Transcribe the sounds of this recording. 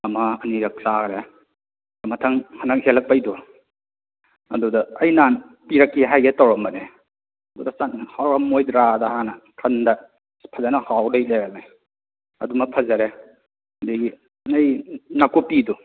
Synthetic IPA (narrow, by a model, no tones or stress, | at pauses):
ɐmɐɐniɾɐk̚saɾe | ɐmɐtʰɐŋhanɐk̚helɐk̚pajdɔ | ɐ̰dudɐɐjnan | piɾɐkːiɦajɡetawɾɐmbɐne | ɐdudɐsanhawɾamːojdɾadɐhanɐkʰɐndɐ | pʰɐzanɐhawdajleɾamaj | ɐ̰dumɐpʰɐzɐɾe | diɡi | nɐjnakupidu